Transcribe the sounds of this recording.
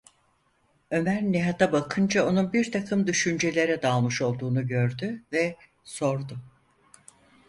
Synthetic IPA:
ø̞mæɾniɦat̪abakʰɯnd͡ʒao̞nunbiɾt̪ʰakʰɯmd̪yʃynd͡ʒe̞lʲe̞ɾɛd̪aːlˠmɯʃo̞lˠd̪uːnuɟø̞ɾd̪yvɛ | so̞ɾd̪ʊ

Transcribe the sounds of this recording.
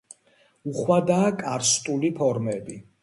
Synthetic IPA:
uχwad̪aːkʼaɾst̪ʼulipʰɔɾmɛbi

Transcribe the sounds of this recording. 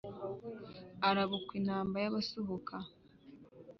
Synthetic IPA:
aɾaβukwinhaːmbajaβasoɦokʰa

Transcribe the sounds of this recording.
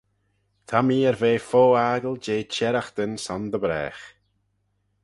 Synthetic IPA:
t̪ʰamiːəɾveːfoːaːɡəlˠd͡ʒeːt͡ʃɛɾaxd̪̥ənsɔnd̪əbɾɛ̰ːx

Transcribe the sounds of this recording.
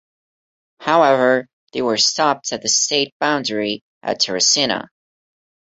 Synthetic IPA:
haʊɛvə˞ | ðeɪwə˞stɑp̚tʰɨt̪̚ðɨsteɪt̚b̥ãʊ̃ndi | ʔɨ̰tʰɛɹɨsɪ̃nə̰

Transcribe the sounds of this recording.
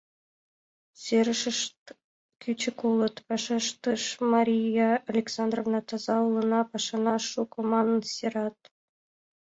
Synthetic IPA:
sʲeɾʲʂə̆ʂ | kʰʲyt͡ɕɘ̆kulˠɤ̆t̪pʲɘʂəʂt̪əʂmɑɾʲijaalʲeksɑnd̪rovnɑt̪ɑzɑulˠɤ̆nɑpɑʂɑnɑʂukomɑnɤnsʲeɾɑt̪̚

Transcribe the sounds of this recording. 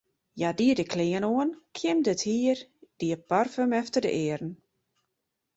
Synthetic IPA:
jadiədəkʰlɪənoənkʰjɪmdəthiərd̥iəparfømɛftərdə̰ʔɪəɾn̩

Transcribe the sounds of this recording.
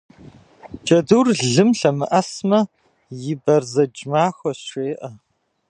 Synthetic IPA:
t͡ʃʼɐduːrɮɨmɬɐmɨʔɐsmɐ | jɪbɐrzɐd͡ʒmaːxʷɔɕeːʔɐ

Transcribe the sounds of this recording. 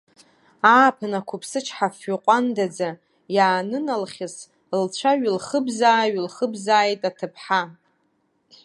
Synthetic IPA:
aːpʰɨnakʷʰʊpʰsɨt͡ʃʰħafːʏqʷʼandad͡za | jaːnɨnalχʲɪs | lt͡ɕʷʰaɥlχəbzaːɥlχəbzaːjtʼatʰɨpʰħa

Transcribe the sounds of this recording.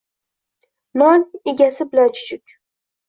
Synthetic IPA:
nɒneɡʲasɪbɪlant͡ʃʰʊ̥t͡ʃʰʊkʲ

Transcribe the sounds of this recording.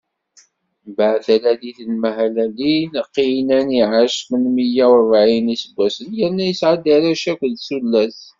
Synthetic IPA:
baʕðælædiθəlmæhælælinqːinæniʕaʃmənmijæwɾˤvʕinisəbʷːæsənjənːæjəsʕad̪ːaɾæʃækʷəðsulːæs

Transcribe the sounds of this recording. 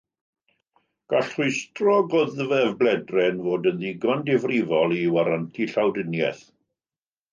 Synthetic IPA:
ɡ̥aɬrʊɨstrɔɡɔðvɛvblɛdrɛnvoːdənðiɡandɪvrɪvɔlˠiwaɾantʰiɬawdənjɛ̰θ

